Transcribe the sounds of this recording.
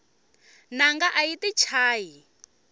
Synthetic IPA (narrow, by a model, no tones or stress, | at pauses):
naŋɡaʔaitit͡ʃʰaːji